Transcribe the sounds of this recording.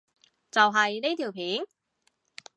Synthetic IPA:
t͡sɐ˨wɦɐ˨jne˥t̪ʰiː˨˩wpʰiː˨˥n

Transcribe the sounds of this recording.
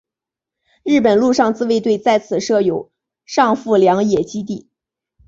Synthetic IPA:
ɻɻ̩˥˩p̬ə˨˩nlu˥˧ʂɑ˥˧ŋt͡sɹ̩˥˧we˥˧ɪt̪we˥˧ɪt͡sa˥˩ɪt͡sʰɹ̩˨˩ʂɤ˥˩jo˨˩˦ʊ | ʂɑ˥˧ŋfu˥˩ljɑ˧˥ŋjɛ˨˩t͡ɕi˥t̪̬i˥˩

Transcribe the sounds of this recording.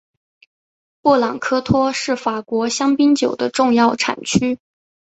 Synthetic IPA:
pwɔ˥˩lɑ˨˩ŋkʰɤ˥t̪ʰwɔ˥ʂɻ̩˥˩fa˨˩kwɔ˧˥ɕjɑ˥ŋpi˥ŋt͡ɕjo˨˩ʊd̪ə˦ʈ͡ʂʊ˥˧ŋjɑ˥˩ʊʈ͡ʂʰa̰˨˩nt͡ɕʰy˥

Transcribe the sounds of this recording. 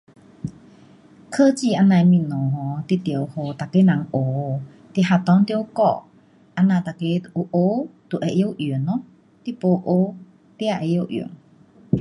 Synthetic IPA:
kʰə˧t͡ɕi˧ʔa˧nã˧jmĩ˧˨nɔ˨˩ɦɔ˨˦t̪i˧˨t̪jə˨who˧˩t̪a˨ke˧˦na˨˦ŋʔo˨˩ | t̪i˧˨ɦa˧˩t̪ɔ˧˦ŋt̪i˧˦˧kɔ̰˧˨ʔ | ʔa˧nã˧˨t̪a˨ke˧˦ʔu˧ʔo˧˦t̪u˨˩ʔɛ˧˨ʔjo˧˨ʔi˨ənːɔ˧˦ | t̪i˧po˧ʔo˧˦ | t̪i˧˥ʔa˧ʔɛ˧˨jo˧wʔjḭ˨˩˦ŋ

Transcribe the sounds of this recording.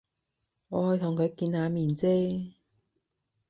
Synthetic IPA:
ŋɔː˨˧hɵ˧t̪ʰʊ˨˩ŋkʰɵ˨˧ɥkiː˧nhaː˨˧miː˨˩nt͡seː˥

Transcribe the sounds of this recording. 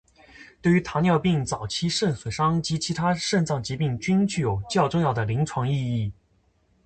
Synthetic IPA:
t̪we˥˩ɪy˧˥t̪ʰa˧˥njɑ˥˧ʊpi˥˩ŋt͡sɑ˨˩ʊt͡ɕʰi˥ʂə˥˩nswe˨˩ʂɑ˥ŋt͡ɕi˧˥t͡ɕʰi˧˥t̪ʰa˥ʂə˥˧nt͡sɑ˥˩ŋt͡ɕi˧˥pi˥˧ŋt͡ɕy˥nt͡ɕy˥˩jo˨˩ʊt͡ɕjɑ˥˧ʊʈ͡ʂʊ˥˧ŋjɑ˥˩ʊd̪ə˩li˧˥ŋʈ͡ʂʰwɑ˧˥ŋi˥˧i˥˩

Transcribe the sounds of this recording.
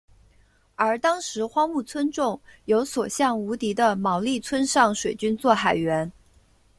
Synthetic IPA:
ə˞˧˥t̪ɑ˥ŋʂɻ̩˧˥xwɑ˥ŋmu˥˩t͡sʰwə˥nʈ͡ʂʊ˥˩ŋjo˧˥ʊswɔ˨˩ɕjɑ˥˩ŋu˧˥t̪i˧˥d̪ə˧mɑ˧˥ʊli˥˩t͡sʰwə˥nʂɑ˥˩ŋʂwe˨˩ɪt͡ɕy˥nt͡swɔ˥˩xa˨˩ɪɥɛ˧˥n

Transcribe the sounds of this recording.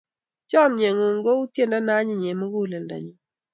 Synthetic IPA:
t͡ʃɔ˦mɲe˨ŋo˨ŋɡo˦u˦tje˦nda˦na˦ɲɪ˦˨ɲe˨mo˦ɡu˦˨lɛ˨nda̰˨ɲi˨

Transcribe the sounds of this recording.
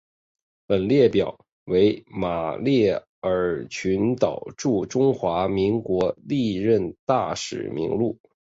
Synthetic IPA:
pə˨˩nljɛ˥˩pjɑ˨˩˦ʊ | we˧˥ɪma˨˩ljɛ˥˩ | ə˞˨˩t͡ɕʰy˧˥nt̪ɑ˨˩ʊʈ͡ʂu˥˩ʈ͡ʂʊ˥ŋxwa˧˥mi˧˥ŋkwɔ˧˥li˥˧ɻə˥˧nt̪a˥˩ʂɻ̩̰˨˩mḭ˧˥ŋlu˥˩

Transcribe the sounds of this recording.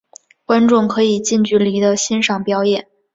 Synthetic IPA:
kwa˥nʈ͡ʂʊ˥˩ŋkʰɤ˧˥i˨˩t͡ɕi˥˧nt͡ɕy˥˩li˧˥d̪ə˧ɕi˥nʂɑ˨˩ŋpjɑ˥ʊjɛ˥˩˦n

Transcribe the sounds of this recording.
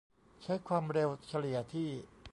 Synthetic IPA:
t͡ɕʰa˦˥jkʰwaː˧mɾe˧wt͡ɕʰa˧li˨˩ət̪ʰiː˥˩

